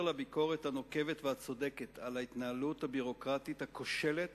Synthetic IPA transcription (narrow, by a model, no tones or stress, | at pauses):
labiko̞ʁethano̞ke̞vetveat͡so̞de̞ket̪alait̪naaluthabiʁo̞kʁat̪ithako̞ʃe̞let